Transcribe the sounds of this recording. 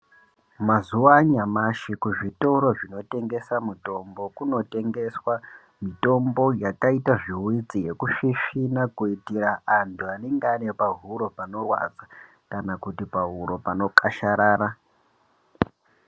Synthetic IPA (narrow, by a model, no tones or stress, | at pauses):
mazuwaɲamaʃikuʐito̞ɾo̞ʐino̞te̞ŋɡe̞samito̞mbo̞kuno̞te̞ŋɡe̞swa | mito̞mbo̞jakaitaʐiwid͡zije̞kuʃiʃinakuitiɾaʔːntʰuaneŋɡanepaɦuɾo̞pano̞rwa̰d͡za | kanakutipaɦuɾo̞pano̞kaʃaɾaːɾa